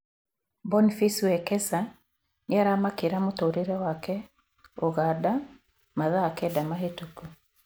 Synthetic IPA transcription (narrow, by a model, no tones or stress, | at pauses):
bɔnifiswɛkɛsa | njaɾamakeɾamotoɾeɾɛwakɛ | oɣada | maðaːkɛdamaɦetuku